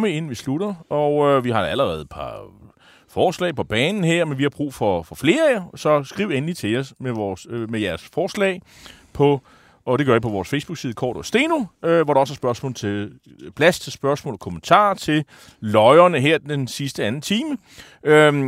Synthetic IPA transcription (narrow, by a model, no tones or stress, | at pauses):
məe̝n̰n̩ʋisluɾ̥ɐʔɒʊøʋihɑ̈d̥ɑæləʁɛːð̞̩ˠəpʰɑ̈ | fɒːslɛ̰ːɪpʰɒ̽b̥ɛːnn̩ɦeɐ̰menʋihɑ̈b̥ʁṵːfɒ̽fɒ̽fle̝ːɐɛɐsɒ̽sɡ̥ʁiʊenlit͡sʰe̝ɒsmeʋɒːsømejæɐsfɒːslɛ̰ːɪ | pʰɒ̽ | ɒd̥eɡ̥ɶɐipʰɒ̽ʋɒːsfeɪsb̥uɡ̥siːð̩ˠəkʰɒ̰ːd̥ɒsd̥e̝̰ːno̝øʋɒɾ̥ɑ̈̽sæɐsb̥ɶɐsmɔ̰ːlt͡sʰe̝l | pʰlæst͡sʰe̝lsb̥ɶɐsmɔ̰̽ːlɒ̽kʰomənt͡sʰɑ̰̈ːt͡sʰe̝l | lɒɪɐnəɦeɐ̰d̥ensisd̥əænn̩t͡sʰiːmə | ø